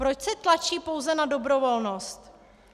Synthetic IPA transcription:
ɾot͡ʃsɛt̪lat͡ʃiːpo̞wzɛnado̞bɾo̞vo̞lno̞st̪

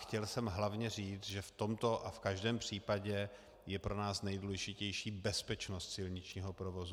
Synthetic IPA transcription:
xcɛlsɛmɦlavɲɛriːt͡sʒɛft̪o̞mt̪o̞ʔafkaʒdɛːmpr̝̥iːpaɟɛ | jɛpɾonaːsnɛjduːlɛʒɪcɛjʃiːbɛspɛt͡ʃnost̪sɪlɲɪt͡ʃɲiːɦo̞pɾovo̞zu

